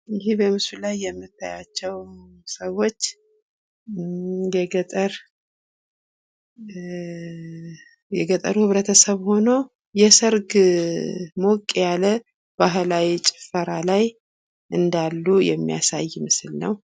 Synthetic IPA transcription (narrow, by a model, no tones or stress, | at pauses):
ɪɦibəmɨsulajːɛmːɨt̪ʰːa̰jat͡ʃːɛwsəwo̞t͡ʃː | jɛɡət̪ʼəɾ | jɛɡət̪ʼəɾuhɨβɾət̪ʰəsəβho̞no | jɛsəɾɡ | mokʼːjalə | b̥aɦlawit͡ʃʼɪ̥fəɾalaj | ʔɨnd̪alːujɛ̰mːḭja̰sa̰jːmɨsɨlnə̰w